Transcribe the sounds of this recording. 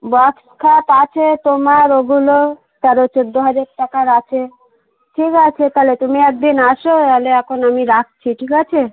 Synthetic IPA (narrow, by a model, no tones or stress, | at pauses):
bɔkskʰat̪at͡ɕʰet̪omaɾoɡulo | t̪aɾot͡ɕod̪ːoɦad͡ʑaɾʈakaɾat͡ɕʰe | ʈʰikat͡ɕʰet̪alet̪omiɛk̚d̪inaʃot̪aleɛkʰonamiɾak̚t͡ɕʰiʈʰikat͡ɕʰe